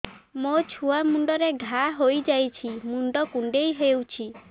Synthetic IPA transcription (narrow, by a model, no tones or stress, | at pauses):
mot͡ʃʰuamuɳɖɔɾeɡʱaɦojd͡ʒajt͡ʃʰimuɳɖɔkuɳɖejɦewt͡ʃʰi